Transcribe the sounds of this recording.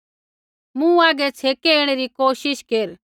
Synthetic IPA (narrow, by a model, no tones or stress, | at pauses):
mũaːɡɛt͡sʰekɛeɽ̃ɛɾikoːʃɪʃkeɾ